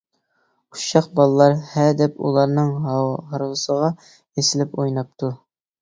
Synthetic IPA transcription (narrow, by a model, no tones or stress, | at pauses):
uʃɑqbɑlˠlˠɑɾhæd̪ɛpṵlˠɑɾnɨŋɦɑɾvɨsəʁɑ | jesɪlɪpojnɑp̚t̪ʰu